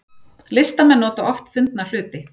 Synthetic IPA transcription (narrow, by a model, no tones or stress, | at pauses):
lɪst̪amɛnːɔːt̪aʔɔft̪fʏnt̪̚nal̥ʏːt̪ɪ